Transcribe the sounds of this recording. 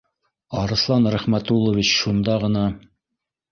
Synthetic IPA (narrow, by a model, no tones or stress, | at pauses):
ɑɾɤ̆slˠɑnɾæχmæt̪ulˠŏvʲit͡ɕʃund̪ɑʁɤ̆nɑ